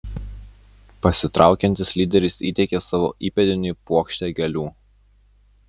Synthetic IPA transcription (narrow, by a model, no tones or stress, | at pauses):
pɐsʲɪt̪ɾɑˑʊkʲɛnʲt̪ʲɪsʲlʲiːd̪ʲɛɾʲɪsiːt̪ʲɛkʲeːsɑːʋo̰ːʔiːpʲɛd̪ʲɪnʲɪˑpuɔkʃʲt̪ʲɛːɡʲɛlʲuː